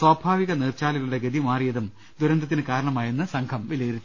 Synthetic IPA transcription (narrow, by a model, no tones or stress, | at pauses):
swaːbʱaːʋiɣɐneːrt͡ɕaːliɣɐuɽe̞ɡɐðimaːrijɐðum | d̪uɾɐnd̪ɐt̪ːinɨkaːɾɐɳɐmaːjenːɨsɐŋɡʰɐmʋilɐjiɾit͡ɕːu